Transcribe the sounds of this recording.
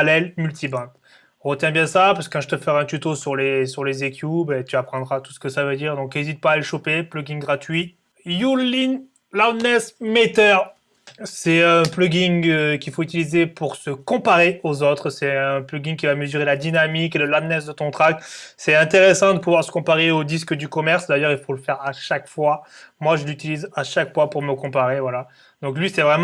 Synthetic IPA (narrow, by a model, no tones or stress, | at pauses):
lɛlmylt̪ʰibɑ̃t̪ | ʁət̪jɛ̃bjɛ̃sapaskɑ̃ʒət̪əfɛʁɛ̃t̪yt̪osyʁlesyʁlezekʰʲjubɛt̪yapχɑ̃d̪ʁat̪u̥sə̥kəsavød̪iːʁd̪ɔ̃kezit̪̚paːləʃopeplɔɡʲiŋɡʁat̪ɥi | julin | lamnɛsmet̪œʁ | sɛɛ̃plɔɡʲiŋəkʲifoyt̪ilizepuʁsəkɔ̃paʁeozot̪χsɛɛ̃plɔɡĩŋkʲivaməzyʁelad̪inamikeləlamnɛs̬d̪ət̪ɔ̃t̪χak̚t̪sɛɛ̃t̪eʁesɑ̃d̪əpuvwaʁsə̥kɔ̃paʁeod̪iskd̪ykɔmɛʁsd̪ajœʁilfoləfɛʁaʃakfwamwaʒəlyt̪ilizaʃakfwapuʁməkɔ̃paʁevwala | d̪̥ɔ̃klɥisɛvʁɛm̃